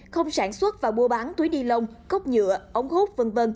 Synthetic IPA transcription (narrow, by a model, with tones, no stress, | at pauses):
xə˧wŋ͡msaː˧˩nswə˦˥t̚vaː˨˩ɓu˧əɓaː˨˦nt̪u˨˦jɗi˧lə˧wŋ͡mkə˦˥wk͡p̚ɲɨ̰˧˨əʔə˨˦wŋ͡mho˦˥t̚və˧nvə˧n